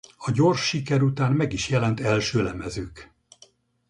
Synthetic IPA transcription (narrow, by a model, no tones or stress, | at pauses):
ɒɟo̞rʃːikɛɾut̪aːnmɛɡiʃjɛlɛnt̪ɛlʃøːlɛmɛzøːk